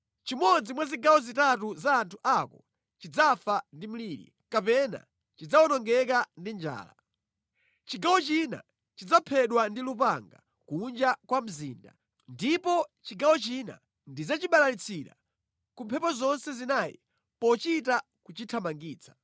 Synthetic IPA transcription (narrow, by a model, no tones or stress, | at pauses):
t͡ʃimɔd͡zimwaziɡawɔzitatuzaːntʰuʔakɔ | t͡ʃid͡zafandim̩liːɾḭ | kapɛna̰ | t͡ʃid͡zawɔnɔŋɡɛkandind͡ʒa̰ːla̰ | t͡ʃiɡawɔt͡ʃina̰ | t͡ʃid͡zapʰɛɗwandilupa̰ŋɡa̰ | kund͡ʒakwam̩ziːnda̰ | ndipɔt͡ʃiɡawɔt͡ʃina̰ | ndizat͡ʃiɓalalit͡sʰiɗa̰ | kumpʰɛpɔzɔnsɛzinaːjḭ | pɔt͡ʃita | kut͡ʃitʰamaŋɡiːt͡sʰḁ